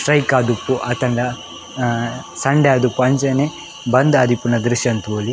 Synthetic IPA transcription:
ʈɾɐjkaːd̪upːuʔɐt̪ɐɳɖɐ | sɐɳɖeaːd̪upɐɲd͡ʒɐne | bɐnd̪aɐːd̪ʱipunɐd̪ɾiʃjɐnt̪ʋoːli

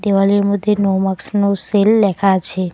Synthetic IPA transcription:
d̪eʋaliɾmʊd̪ʱːenowmaksnoselːɛkʰat͡ʃʰe

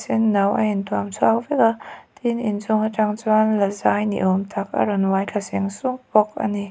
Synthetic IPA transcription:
sɛnːɐwɐ̰intuamsʰwakvɛkat̪inint͡sʊŋhat͡ʃaŋt͡swanlazajnḭʔɔmt̪ʰak̚ɐ̰ɾɔnwajkʰasiŋsʊŋpɔk̚ʔɐ̰ni

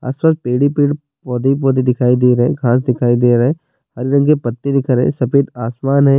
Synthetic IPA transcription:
a̰ːswaːspeːɽipiːɽ | pɔːd̪ip̬ɔːd̪id̪ɪkʰaːid̪eɾɐɦɛ̰̃ɡʰʱãːs̬d̪ɪkʰaːid̪eːɾɐɦɛ̃ | hɐɾɾɐ̃ŋɡkepɐt̪ːid̪ɪkʰəɾɦɛ̰̃sɐpeːd̪aːsmaːnɦɛː

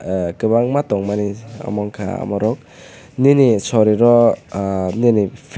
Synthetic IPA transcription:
kɯbaŋmatɔŋmania̰mɔŋkʰa̰a̰mɔɾɔk̚ | ninisɔɾiɾɔ | ninipʰ

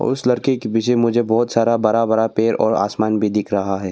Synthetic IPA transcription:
ɔ̰ːɾʊslɐɾkekebɪʃemʊd͡ʒʱebɔːt̪saːɾabɐɾabəɾapeːɾɔ̰ːɾa̰ːsmaːnbʱid̪ɪkʰɾɐɦaɦɛː

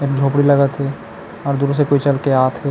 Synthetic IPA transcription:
eːk̚d͡ʒʱoːpɽilɐɡət̪ɦɛ | ɔːɾd̪uɾus̬ekoːit͡ʃɐlkeaːt̪ʰe

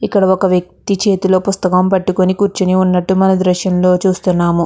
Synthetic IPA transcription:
ikːɐɽɐɔkɐʋjɐk̚t̪it͡ʃe̞ːt̪ulo̞ːpust̪ɐkɐmpɐʈːukonikuːɾt͡ʃiniunːɐʈːumɐnɐd̪ɾɐʃjɐmlo̞ːt͡ʃuːst̪unːaːmu

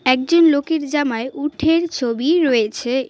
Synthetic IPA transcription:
ɛk̚d͡ʑonlokeɾd͡ʑamaeʔuʈʰeɾt͡ɕʰobiɾɔet͡ɕʰe

